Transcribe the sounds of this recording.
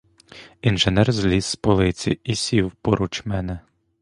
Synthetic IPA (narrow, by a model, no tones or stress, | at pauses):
inʒenɛrzʲlʲisːpɔlˠɪt͡sʲḭisʲiwpɔɾut͡ʃmɛnɛ